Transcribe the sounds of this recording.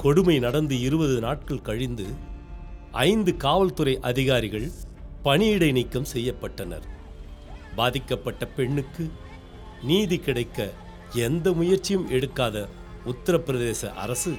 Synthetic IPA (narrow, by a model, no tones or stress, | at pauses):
kɔɽɯmɐɪnɐɽɐnd̪ɯɪɾɯbɐðɯnaːʈ̚kɐɭkɐɻɪnd̪ɯ | ʔɐ̰ɪnd̪ɯkaːʋɐlt̪ɯɾɐɪʔɐðɪɣaːɾɪɣɐɭpɐɳɪɪɽɐɪnɪkːɐmsɛjːɐpːɐʈːɐnɐ̰ɾ | baːðɪkːɐpːɐʈːɐpɛɳːɯkːɯ | niːðikɪɽɐɪkːɐ | ɛnd̪ɐmʊjɐɾt͡ʃːɪjɯmʔɛɽɯkːaːðɐ | ʊt̪ːɐɾɐpːɪɾɐðeːsɐ̰ʔɐ̰ɾɐsɯ